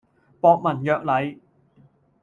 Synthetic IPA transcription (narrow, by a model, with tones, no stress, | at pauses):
pɔː˧k̚mɐ˨˩njœː˨k̚lɐ˨˥j